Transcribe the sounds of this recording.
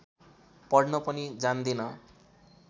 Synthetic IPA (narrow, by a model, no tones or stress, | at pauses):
pʌɽnʌpʌnid͡zand̪inʌ